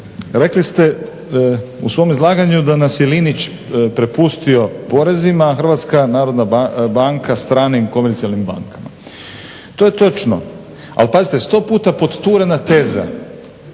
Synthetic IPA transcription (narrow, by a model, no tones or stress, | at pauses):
ɾe̞klist̪e | usʋo̞ːmizlˠaːɡaɲud̪anasjelinit͡ʃ | pɾe̞pust̪io̞po̞ɾe̞zimaxr̩ʋat̪skanaːɾo̞d̪nabaŋkʰast̪ɾaːnimko̞meɾt̪sialnimba̰ŋkama̰ | t̪oːje̞t̪o̞t͡ʃno̰ | a̰lpazit̪est̪o̞ːpuːt̪apo̞d̪t̪uːɾenat̪e̞ːza̰